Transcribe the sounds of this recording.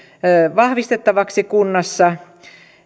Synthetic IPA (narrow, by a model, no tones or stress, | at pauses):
ʋɑhʋist̪et̪ːɑʋɑksikunːɑsːɑ